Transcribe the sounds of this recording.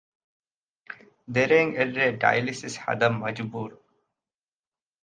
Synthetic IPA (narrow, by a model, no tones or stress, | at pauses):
d̪eɾẽŋeɖɾeɖa̰jlisisha̰d̪əmmːɐd͡ʒbuːɾ